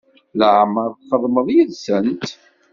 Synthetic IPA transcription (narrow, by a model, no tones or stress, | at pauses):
ləʕməɾˤfəðˤməðˤjəðsənt̪